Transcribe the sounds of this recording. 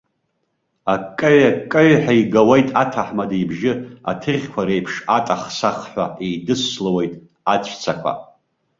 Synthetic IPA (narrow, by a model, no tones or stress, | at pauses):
akʼːɨʕakʼɨɥħaiɡawejtʼatʰaħmadejbʒɪa̰tʰɨrʲkʷʰaɾejpʰʂatʼaχsaχħʷaejdɨslwejtʼ | at͡ɕʷʰt͡sʰakʷʰa̰